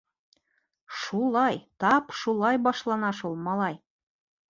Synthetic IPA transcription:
ʃulˠɑjt̪ɑpʃulˠɑjbɑʃlˠɑnɑʃolˠmɑlˠɑj

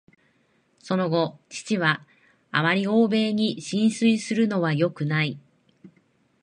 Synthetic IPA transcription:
so̞no̞ɡo̞t͡ɕi̥t͡ɕiβ̞a | a̰maɾʲio̞ːbe̞ːɲ̟iɕĩɰ̃sɨisɨɾɯ̟no̞βajo̞kɯ̟nai

